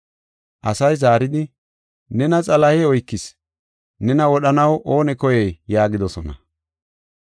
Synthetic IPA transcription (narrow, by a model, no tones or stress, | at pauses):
ʔɐsɐjzaːɾɪd̪ɪ | nɛnɐt͡sʼɐlɐheːɔjkːɪs | nɛnɐwɔɗɐnɐwʔoːnɛkɔjɛjjaːɡɪd̪ɔsɔnɐ̰